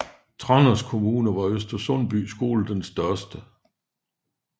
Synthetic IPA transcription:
t͡sʰʁɒnɐskʰo̝muːnəʋɑ̈øsd̥ɐsɔnb̥y̰ːsɡ̥o̝̰ːl̩d̥ensd̥ɶɐsd̥ə

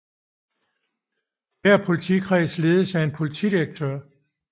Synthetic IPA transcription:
d̥æɐpʰo̝lit͡sʰḭkʰʁɛːsle̝ːð̞ˠəsæɐe̝npʰo̝lit͡sʰḭːd̥iʁeɡ̥̚t͡sʰøɐ̰

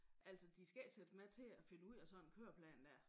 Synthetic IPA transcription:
ʔæl̰sɒ̽d̥isɡ̥æsed̥əmæt͡sʰe̝æfe̝nəuð̰ˠæsɒ̽nkʰøɐpʰlɛ̰ːnd̥æɐ̰

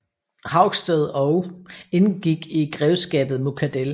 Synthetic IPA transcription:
hɑ̈ʊ̰ɡ̥sd̥eð̞̩ˠɒʊe̝nɡ̥iɡ̥iɡ̥ʁɛʊsɡ̥ɛ̰ːb̥ð̩ˠmokʰæd̥el

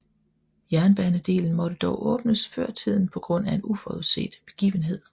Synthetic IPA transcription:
jæɐnb̥ænəd̥e̝̰ːln̩mɒ̽ɾ̥əd̥ɒʊʔɔ̽ːb̥nəsfɶɐ̰t͡sʰið̞̰ˠn̩pʰɒ̽ɡ̥ʁɔ̽n̰æe̝nufɒuðˠse̝̰ːd̥b̥e̝ɡ̥ḭːʋənɦe̝ð̞̰ˠ

